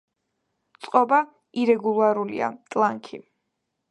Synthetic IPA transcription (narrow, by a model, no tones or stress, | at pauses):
t̪sʼqʼɔba | iɾɛɡulˠaɾulḭa̰t̪ʼlˠaŋkʰḭ